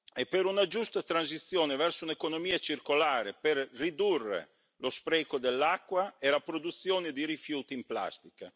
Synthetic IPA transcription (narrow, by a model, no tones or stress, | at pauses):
epːeɾunad͡ʒust̪at̪ɾanzit̪sːjoːnevɛrsounekonomiːat͡ʃirkolaːɾeperːid̪urːḛ | lospɾɛkod̪elːakːwaelapɾod̪ut̪sːjoːned̪iɾifjuːt̪impla̰st̪ika